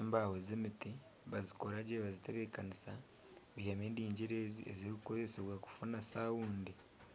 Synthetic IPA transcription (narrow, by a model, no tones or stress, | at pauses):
embawozemiti | βazikoɾaɟeβazite̞βe̞kanisa | βihameːndiːɲɟiɾezḭḛziɾikko̞ze̞seβwaku̥funasaːwuːndi